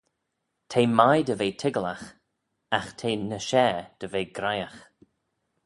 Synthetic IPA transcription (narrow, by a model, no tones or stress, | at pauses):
tʰeːmajd̪əveːtʰɪɡəlax | axtʰeːnəʃɛːd̪̥əveːɡɾajax